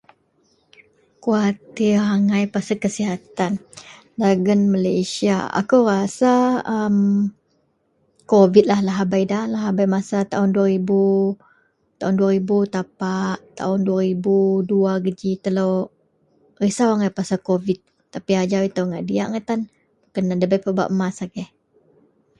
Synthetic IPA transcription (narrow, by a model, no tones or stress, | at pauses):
kuat̪iraŋajpasakəsiɦat̪an | daɡənməlajsia̰a̰kuwrasaəm | kovit̪̚lahlaɦabajdalaɦabajmasat̪aɦʊnduaɾibu | t̪aɦʊnduaɾibut̪apaʔt̪a̰ʊnduaɾibuduaɡəd͡ʒit̪əlow | risawaŋajpasakovit̪̚ːapiad͡ʒawit̪awŋaʔdiaʔŋat̪an | bukanːadəbajpəba̰ʔmasaɡɛh